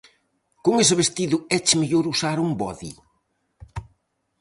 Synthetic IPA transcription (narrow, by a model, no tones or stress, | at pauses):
kʊŋesɪβest̪iðʊɛt͡ʃɪmeʎoɾusaɾumbɔðḭ